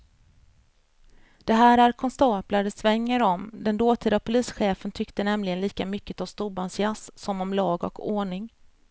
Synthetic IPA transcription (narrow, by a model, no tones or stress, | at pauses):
d̪̥ɛɦæːɾæɾkʰɔnst̪ɑːplaɖəsvɛŋːəɾɔmd̪ɛnd̪oːt̪ʰiːd̪apʰʊliːsɧeːfənt̪ʰʏkt̪ənɛmlɪɡənliːkamʏkːət̪ɔmst̪uːbansɪassɔmɔmlɑːɡɔ̰kʰoːɳɪŋ